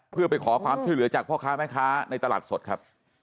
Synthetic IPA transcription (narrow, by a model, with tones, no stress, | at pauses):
pʰɯ˥˩ɐpa˧jkʰɔː˩˦kʰwaː˧mt͡ɕʰu˥˩jlɯ˩˦ɐt͡ɕaː˨˩k̚pʰɔː˥˩kʰaː˦˥mɛː˦˥˩kʰaː˦˥na˧jt̪a˧la̰ː˨˩t̪̚so˨˩t̪̚kʰa˦˥p̚